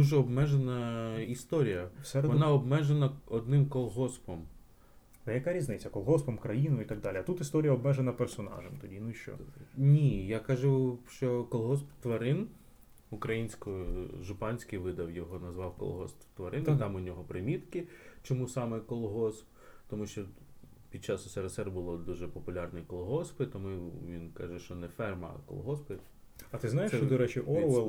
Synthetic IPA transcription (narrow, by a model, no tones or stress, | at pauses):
d̪uʒɛɔbmɛʒenɐist̪ɔɾʲijɐsɛɾedʋɔnɑɔbmɛʒenɐɔd̪nɪmkɔlˠɦɔspɔm | ɛjɐkaɾʲiznɪt͡sʲːɐkɔlˠɦɔspɔmkɾɐjinʊjit̪ɐɡ̚d̪ɑlʲiɐt̪ut̪ist̪ɔɾʲijɐɔbmɛʒenɐpersɔnɑ̰ʒɛmt̪ɔdʲinuiʃt͡ʃɔ̰nʲijakɐʒuʃt͡ʃɔkɔlˠɦɔspt̪ʋɐɾɪn | ukɾɐjinʲsʲkɔʒʊpɑnʲsʲkɪjʋɪd̪ɐwjɔɦɔnɐzʋɑwkɔ̰lˠɦɔ̰s | t̪ʋɐɾɪnt̪ɑmʊnʲɔɦɔpɾɪmʲit̪kɪt͡ʃɔmusɑmɛkɔlˠɦɔsp | t̪ɔmuʃt͡ʃɔ | pʲid̪̚t͡ʃɑsʊsɛɾɐsɛrbʊlˠɔd̪uʒɛpɔpʊlʲɑrnɛjkɔlˠɦɔspɪt̪ɔmuʋʲinkɑ̰ʒɛʃt͡ʃɔnɛfɛrmɐ̰kɔ̰lˠɦɔspɪ | ɐt̪ɪznajeʃt͡ʃɔd̪ɔɾɛt͡ʃiʔɔʋɛlˠ